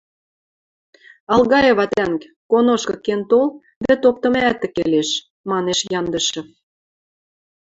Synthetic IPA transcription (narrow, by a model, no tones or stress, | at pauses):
ɑlɣɑjeβɑt̪æŋk | konoʃkɤ̆kːent̪ol | βæt̪ok̚t̪ə̆mæt̪ːə̆keleʃ | mɑneʃjɑnd̪ə̆ʃɤ̆